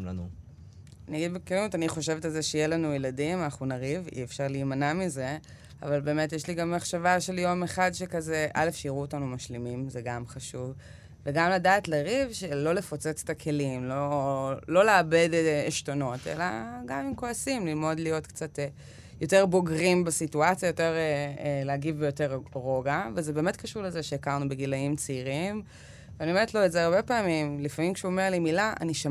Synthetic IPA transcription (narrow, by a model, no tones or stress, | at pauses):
anu | aniaɡid̪bekelimut̪aniχo̞ʃe̞vetalzeʃejelanujeladimanaχnunaʁivḭefʃaʁliːmanamize̞ | a̰valbe̞ːme̞tjeʃliɡamːaχʃavaʃe̞ljo̞meχadʃekazeʔa̰le̞fʃeiʁuotanumaʃlimimzeɡamχaʃuvː | eɡamladaːtleʁivʃelo̞le̞fo̞t͡se̞t͡se̥takʰe̞limlolo̞leabedeʃtono̞te̞̰la̰ɡamimko̞asimlilmo̞dlijo̞tkt͡sat | jo̞te̞ʁbo̞ɡʁimbesituat͡sijajo̞te̞ʁeleaɡivbejo̞te̞ʁʁo̞ɡavezebeːme̞tkaʃuʁlezeʃeːkaʁnubeɡilaimt͡siiʁim | veanime̞tlo̞ezeaʁbe̞paːmimlifamimkʃuomeʁlimilaa̰niʃam